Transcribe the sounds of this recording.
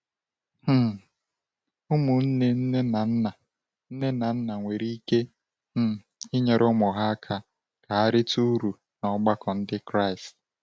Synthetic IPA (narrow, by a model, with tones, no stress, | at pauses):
h̩˦˨ | ʊ˦mu˨n̩˦ne˦n̩˦e˦na˨n̩˦na˨ | n̩˦ne˦na˨n̩˦na˨ŋʷe˨ɾi˦ke˦ | m̩˦˨ɪ˦ɲe˨ɾʔʊ˦mɔ˨ɦa˦a˦kʰa˦ | ka˨a˦ɾɪ˦tu˦ɾu˨ | nɔ˦ɡ͡ba˦kɔ˨n̩˦dɪ˦kɾa˦ɪ˨st̚